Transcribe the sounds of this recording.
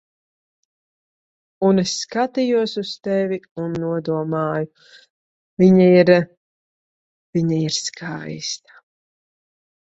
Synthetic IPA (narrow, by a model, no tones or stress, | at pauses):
unesːkat̪ijuɔsust̪ɛvʲiunːuɔd̪uɔmaːju | viɲaiɾ | viɲaiɾskʰajst̪ḁ